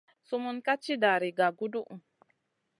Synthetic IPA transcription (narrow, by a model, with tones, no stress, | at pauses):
su˦mu˦nka˦t͡ʃi˦da˨ɾi˨ɡa˨ɡu˦du˦ʔ